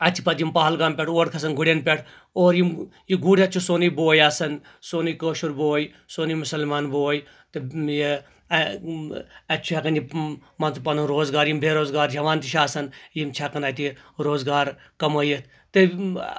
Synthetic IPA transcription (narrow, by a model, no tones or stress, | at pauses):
ɐt͡ʃʰi̥pɐt̪jimpaːɐlɡaːmpʲɛʈʰoːʈkʰɐs̬ɐnɡʊɽʲenpʲɛʈʰ | oːɾjimjiɡuːɽʲɐt͡ʃʰusoːnijboːjaːsɐn | soːnijkəːʃuɾboːj | soːnimʊsɐlmaːnboːj | t̪ɨji | ɐt͡ʃʰuɛkɐnjimɐnt͡s̪upɐnuɾoːzɡaːɾjimbʱeːɾoːzɡaːɾd͡ʒɐʋaːnt̪iʃaːsɐnjimt͡ʃʰɛkɐnɐt̪iɾoːzɡaːɾ | kɐməːjɐt̪ʰ | t̪ɨ